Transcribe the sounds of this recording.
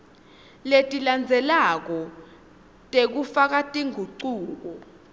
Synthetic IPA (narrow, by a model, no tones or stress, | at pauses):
letʼiland͡zʱɛlak̬ɔ | tʼek̬ufak̬atʼiŋʱuǀuːk̬ɔ